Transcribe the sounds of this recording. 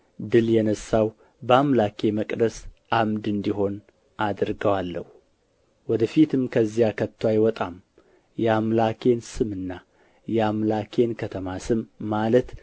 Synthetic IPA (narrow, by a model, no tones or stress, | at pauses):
d̪ɨljɛnəsːaw | bəamlakʰe̞məkʼd̪əsʔamd̪ɨnd̪iɦo̞n | ad̪ɾɡəwalːə̰hu | wɔd̪əfit̪ʰɨmkʰəzːijakʰət̪ʰːwajwɔt̪ʼam | jɛamlakʰe̞nsɨmɨnːa | jɛamlakʰe̞nkʰət̪ʰəmasɨmːalət̪